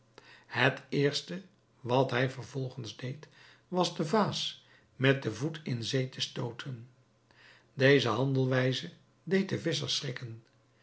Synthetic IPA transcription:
ɦətɪːɹstə | ʋɑtɦɛjvəɹvɔlˠχənzdejt | ʋɑzdəvaːs | mɛt̚dəvutʰɪnzejtʰəstowtʰən | dejzəɦɑndəlˠʋɛjzə | dejt̚dəvɪs̬əɹsrɪkən

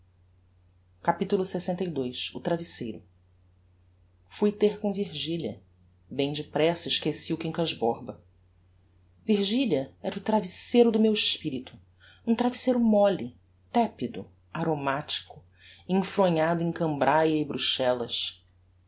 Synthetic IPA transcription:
kapit̪ulʊsesẽnt̪ɐjd̪ojsʊ̰t̪ɾavisejɾʊ | fujt̪ehkõviɾʒiliɐ̰ | bẽj̃d͡ʒɪpɾɛsɐiʃkesiʊkẽkaʒbɔɾbɐ | viɾʒiliɐɛɾʊt̪ɾavisejɾʊd̪ʊmewɪʃpiɾit̪ʊ̥ | ũt̪ɾavisejɾʊmɔli | t̪ɛpid̪ʊ | aɾomat͡ʃi̥kʊ | ẽfɾõɲad̪ʊẽj̃kɐ̃mbɾajɐɪbɾuʃɛlɐs

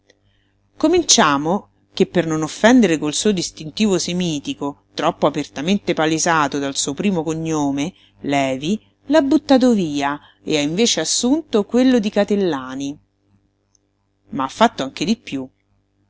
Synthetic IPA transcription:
komint͡ʃaːmo | k̟epːernonofːɛnd̪eɾekolsuːod̪ist̪int̪iːvosemiːt̪ikot̪ɾɔpːoapert̪ament̪epalezaːt̪od̪alsuːopɾiːmokoɲːoːme | lɛːvi | labːut̪ːaːt̪̬oviːa | ḛaiɱveːt͡ʃeasːunt̪okwelːod̪ikat̪elːaːni | maafːat̪ːoaŋk̟ed̪ipːju

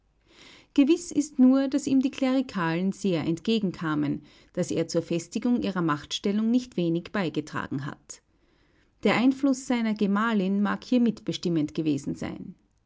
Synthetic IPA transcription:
ɡ̥əvɪsɪstnuːɐd̥asiːmdiːkʰl̥eʁikʰaːlnz̥eːɐʔɛntɡ̥eːɡŋ̩kʰaːmən | d̥asḛːɐt͡suːɐfɛstɪɡʊŋʔiːʁɐmaχtʃtɛlʊŋnɪçtv̥eːnɪçb̥aɪɡətʁ̥a̰ːɡŋ̩ɦa̰t | d̥eːɐʔaɪnflʊsz̥aɪnɐɡemaːlɪnmaːkhiːɐmɪtb̥əʃtɪməntɡ̥əveːzn̩za̰ɪn

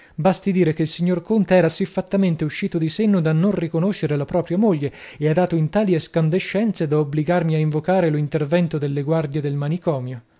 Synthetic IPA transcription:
bast̪id̪iːɾek̟eilsiɲːorkont̪eɛːɾasifːat̪ːament̪euʃːiːt̪od̪isenːod̪anːonrikonoʃːeɾelapɾɔːpɾjamoʎːeead̪aːt̪oint̪aːlieskand̪eʃːɛnt̪sed̪aobliɡarmiaiɱvokaːɾelint̪ervɛnt̪od̪elːeɡward̪jed̪elmanikɔːmjo

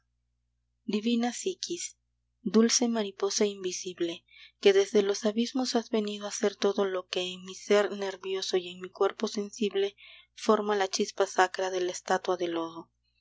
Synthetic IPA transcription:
d̪iβinasikʰis | d̪ulse̞maɾipo̞saimbisiβle̞ke̞ðe̞zðe̞lo̞saβizmo̞sazβe̞niðoase̞ɾt̪o̞ðo̞lo̞ke̞ːŋmiseɾne̞ɾβjo̞so̞je̞ŋmikwe̞ɾpo̞se̞nsiβle̞ | fo̞ɾmalat͡ʃispasakɾaðe̞lest̪at̪waðe̞lo̞ðo̞

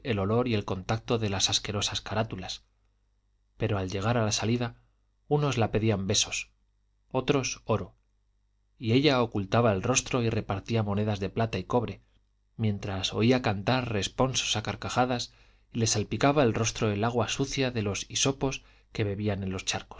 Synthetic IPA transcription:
e̞lo̞lo̞ɾie̞lko̞nt̪ak̚t̪o̞ðe̞lasaske̞ɾo̞saskaɾat̪ulas | pe̞ɾo̞alʎe̞ɣ̞aɾalasaliða | uno̞zlape̞ðiambe̞so̞s | o̞t̪ɾo̞so̞ɾo | ie̞ʎaokult̪aβae̞lro̞st̪ɾo̞ire̞paɾt̪iamo̞ne̞ðazðe̞plat̪aiko̞βɾe̞ | mje̞nt̪ɾaso̞iakant̪aɾre̞spo̞nso̞̥sakaɾkaχaðas | ile̞salpikaβae̞lro̞st̪ɾo̞e̞laɣ̞wasuθjaðe̞lo̞siso̞po̞s | ke̞βe̞βiane̞nlo̞st͡ʃaɾko̥s

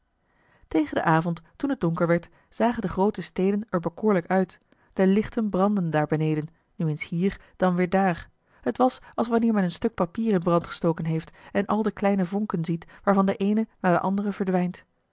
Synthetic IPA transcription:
tejχəndə̰ʔaːvɔnttunɦəd̚d̥ʊŋkəɹʋɛɹt | z̥aːχəndəχrowtəstejdənɛɹbəkʊːɹləkœɥt | d̥əlɪχtənbrɑndəndaːɹbənejdən | nyenshiːɹd̥ɑnʋɪːɹdaːɹ | hətʋɑsɑlˠsʋɑnɪːɹmɛnənstɵk̚papiːrɪnbrɑntχə̥stoːwkənɦejftɛnʔɑlˠdəklɛjnəvɔŋkənzitʋaːɹvɑndəʔejnənaːɹdə̰ʔɑndərəvəɹdʋɛjnt

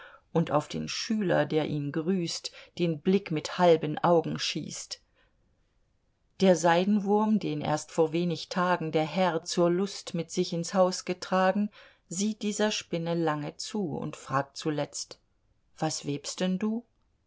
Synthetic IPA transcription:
ʔʊntaʊfd̥ḛːnʃyːlɐ̰deːɐʔiːnɡʁyːstd̥eːnblɪkmɪthalbənʔaʊɡŋ̩ʃḭːst | d̥eːɐzaɪdn̩vʊɐmdeːnʔḛːɐstfoːɐveːnɪçtʰaːɡŋ̩deːɐɦɛɐt͡suːɐlʊstmɪtz̥ɪçɪnshaʊsɡ̥ətʁ̥aːɡŋ̩ | ziːt̚d̥iːzɐʃpɪnəlaŋət͡suːʊ̰ntfʁ̥aːk̚tt͡sulɛt͡st | v̥asv̥eːpstd̥ɛnduː

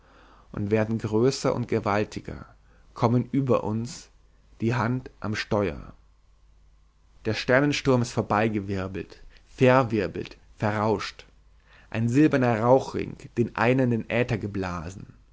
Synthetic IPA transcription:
ʔʊ̰ntv̥eːɐdn̩ɡʁøːsɐʔʊ̰nt̚ɡ̥əvaltʰɪɡɐ̰ | kʰɔmənʔyːbɐ̰ʔʊ̰ns | d̥iːɦantʔa̰mʃtɔʏɐ̰ | d̥eːɐʃtɛɐnənʃtʊɐmɪstfoːɐbaɪɡəvɪɐbl̩t | fɛɐvɪɐbl̩tfɛɐʁaʊʃt | ʔaɪnzɪlbɐnɐʁaʊxʁ̥ɪ̰ŋkd̥eːnʔa̰ɪnəndenʔɛːtɐɡəblaːzn̩

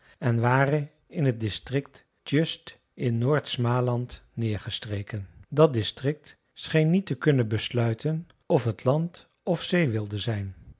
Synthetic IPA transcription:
ɛnʋaːrə | ɪnɦət̚dɪstrɪk̚t | tjøst | ɪnːoːɹtsmaːlɑntnɪːɹχəstrejkəndɑt̚dɪstrɪk̚t | sχejnːitəkɵnənbəslœɥtən | ɔfɦətlɑnt | ɔfsejʋɪlˠdəzɛjn

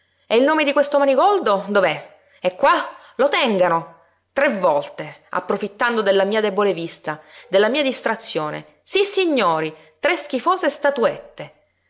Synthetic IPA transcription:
ɛilnoːmed̪ikwest̪omaniɡɔld̪od̪ovɛ | ɛkːwa | lot̪ɛŋɡano | t̪ɾevːɔlt̪ea̰pːɾofit̪ːand̪od̪elːamiːad̪ɛbolevist̪ad̪elːamiːad̪ist̪ɾat̪sːjoːnḛ | sisːiɲːoːɾi | t̪ɾesk̟ifoːsest̪at̪uet̪ːe

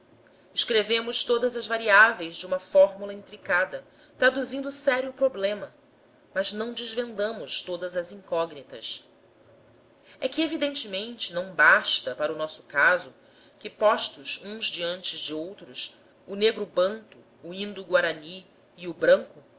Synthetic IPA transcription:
ɪʃkɾevẽmʊʃt̪od̪ɐzɐzvaɾiavej̃zd͡ʒɪũmɐfɔɾmulɐĩnt̪ɾikad̪ɐ | t̪ɾad̪uzĩnd̪ʊsɛɾjʊpɾoblẽmɐ | mɐznɐ̃w̃d͡ʒɪzvẽnd̪ɐ̃mʊʃt̪od̪ɐzɐzĩŋkɔɡnit̪ɐ̰s | ɛkɪevid̪ẽnt͡ʃɪmẽnt͡ʃɪnɐ̃w̃baʃt̪ɐpaɾɐʊnɔsʊ̥kazʊ | kɪpɔʃt̪ʊzũzd͡ʒiɐ̃nt͡ʃɪzd͡ʒɪowt̪ɾʊs | ʊneɡɾʊbɐ̃nt̪ʊːĩnd̪uɡwaɾaniː | ubɾɐ̃ŋkʊ

